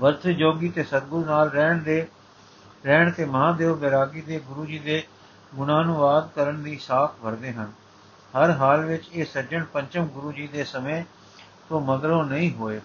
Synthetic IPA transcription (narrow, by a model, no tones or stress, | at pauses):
ʋəɾt̪ʰd͡ʒoːɡiːt̪eːsəd̪̚ɡʊɾnaːlɾɛːɳd̪eː | ɾɛːɳ̃t̪eːmãːd̪eːoːbeːɾaːɡiːd̪eːɡʊɾuːd͡ʒiːd̪eː | ɡʊnaːnuʋaːd̪kəɾəɳd̪iːsaːpʰbʱəɾd̪eːɦən | həɾɦaːlʋɪt͡ʃeːsəɾd͡ʒəɳpəɲt͡ʃəmɡʊɾuːd͡ʒiːd̪eːsəmẽː | t̪õːməd̪ɾõːnəĩːɦoːeː